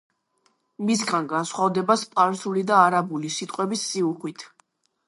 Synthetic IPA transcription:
mis̬ɡanɡansχwavd̪ɛbaspʼaɾsulid̪aːɾabulisit̪ʼqʼwɛbisːiuχwit̪ʰ

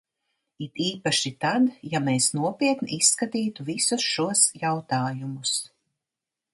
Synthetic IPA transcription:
it̪iːpaʃit̪ad̪jameːsnuɔpʲiɛt̪niisːkat̪iːt̪uvisusʃuɔsjawt̪aːjumus

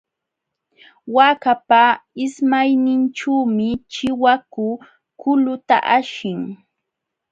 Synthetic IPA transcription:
wakapaɪsmajnɪnʈ͡ʂuːmɪt͡ʃɪwakʊ | kʊlʊt̪a̰ʔaʃɪŋ

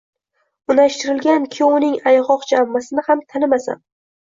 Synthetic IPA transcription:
ʊnaʃt̪ɪɾɪlˠɡʲankʲʰɪʊnɪŋajʁɒqd͡ʒamːasɪnɪhamt̪ʰanɪmasa̰m

